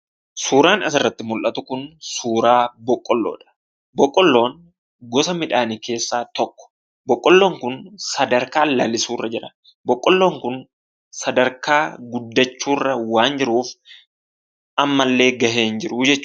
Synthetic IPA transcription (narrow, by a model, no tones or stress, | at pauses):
suːɾaːnɐs̬ɪrːɐt̪ːɪmʊlʔɐt̪ʊkʊnsuːɾaːbɔkʼːɔlːo̰ːᶑɐ̥ | bɔkʼːɔlːo̞ːn | ɡɔsɐmɪᶑaːnike̞ːsːaːt̪ɔkːɔ̥ | bɔkʼːɔlːo̞ːŋkʊnsɐd̪ɐɾkaːlɐlɪsuːrːɐd͡ʒɪɾɐ | bɔkʼːɔlːo̞ːŋkʊn | sɐd̪ɐɾkaːɡʊd̪ːɐt͡ʃːuːrːɐwaːnd͡ʒɪɾuːf | ʔɐmːɐlːe̞ːɡɐhe̞ːnd͡ʒɪɾʊd͡ʒɛt͡ʃː